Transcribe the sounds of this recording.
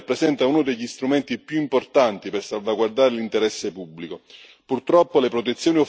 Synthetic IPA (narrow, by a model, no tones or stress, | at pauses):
pːɾesɛnt̪aunod̪eʎːist̪ɾument̪ipjuimport̪ant̪ipersalvaɡward̪aːɾelint̪eɾɛsːepubːliko | purt̪ɾɔpːolepɾot̪̬et̪sːjoːnio